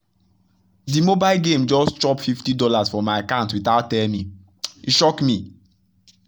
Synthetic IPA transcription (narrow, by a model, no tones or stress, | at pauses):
dimobaɪlɡẽmd͡ʒɔstt͡ʃɔpfiftidɔlazfɔmaɪkãntwitaʊtːɛlmi | iʃɔkmi